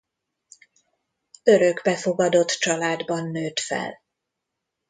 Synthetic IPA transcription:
øɾøɡbɛfo̞ɡɒd̪o̞t̪t͡ʃɒlaːd̪bɒnːøːt̪fɛ̰l

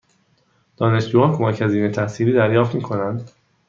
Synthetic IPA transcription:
d̪̥ɒːne̞ʃd͡ʒuːɒːnkʰo̞mæcʰhæziːnet̪ʰæhsiːliːd̪æɾjɒːft̪miːkʰo̞nænd̪

